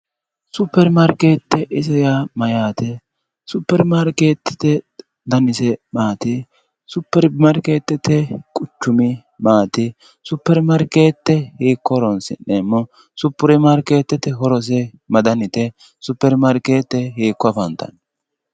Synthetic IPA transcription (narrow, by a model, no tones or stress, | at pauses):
sʊpːɛɾmɐɾkeːt̪ːɛʔɪsɐjamɐjaːt̪ɛ | sʊpːɛɾmaɾkeːt̪ːɛ̥t̪ɛ | d̪ɐnɪsɛmaːt̪ɪ | sʊpːɛɾmɐɾkeːt̪ːɛt̪ʰɛkʼʊt͡ʃːʊmɪ | maːt̪ɪ | sʊpːɛɾmɐɾkeːt̪ːɛheːkːɔɾɔnsɪnːeːmːɔ | sʊpːʊɾɛmaɾkeːt̪ːɛt̪ːɛɦɔɾɔs̬ɛ | mɐd̪ɐnɪt̪ɛ | sʊpːɛɾmɐɾkeːt̪ːɛɦeːkːɔɐfɐnt̪ːɐ̰n